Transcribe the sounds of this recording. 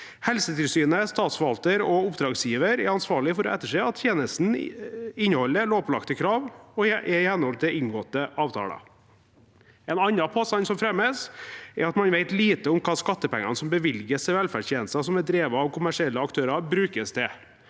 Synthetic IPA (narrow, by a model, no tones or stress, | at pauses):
hɛlsət̪ʰɪlsyːnəst̪ɑːt̪sfɔʋɑlt̪əɾɔʊpd̪ɾɑːɡsjiːʋəɾɛɾɑnsʋɑːɭɪfɔɾɔ̰ʔɛt̪ːəʂɛːɑt̪ːʰjeːnəst̪n̩ɪnːəhɔlːəloːplɑ̰kt̪əkʰɾɑːʋɔʔɛɪhɛnːəhɔlʰd̪ɛɪŋɡot̪ːəʔɑːʋt̪ʰɑ̰ːlɑ̰ | ɛnɑnːɑpʰɑsɑnsɔmfɾɛmːəsɛɾɑt̪mɑnʋeɪt̪liːt̪əʊmkʰɑːskɑt̪ːəpɛ̰ŋːɑ̰nsɔmbəʋɪlɡəsɛʋɛlfæɖçʰjeːnəst̪ɑsɔmɛd̪ɾeːʋɑɑʋkʰʊmæʂɪɛlːəɑkt̪ʰøːɾɑbɾʉːkəst̪ʰɛ